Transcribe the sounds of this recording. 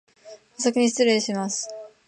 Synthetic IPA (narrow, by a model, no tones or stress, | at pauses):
asak̬ʲiɲ̟iɕt͡sɨɾeɕimasɨ̥